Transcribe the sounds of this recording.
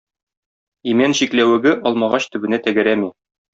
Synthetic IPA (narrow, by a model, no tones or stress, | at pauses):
imænɕiklæwɘ̆ɡɘʔɒlˠmɑʁɑɕt̪ɵ̆bɘ̆næt̪æɡæ̆ɾæmi